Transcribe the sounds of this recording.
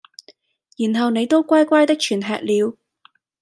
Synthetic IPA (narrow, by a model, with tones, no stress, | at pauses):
jyː˨˩nɦɐ˨wne˨˧jt̪o˥wkʷaː˥jkʷaː˥jt̪ɐ˥k̚t͡ʃʰyː˨˩nɦɛ̰ː˨k̚liː˨˧w